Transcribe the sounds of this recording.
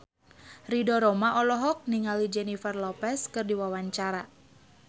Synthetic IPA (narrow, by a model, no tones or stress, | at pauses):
ridɔɾɔmaʔɔlɔɦɔk̚niŋalid͡ʒɛnifɛrlɔpɛskɨrdiwawaɲt͡ʃaɾa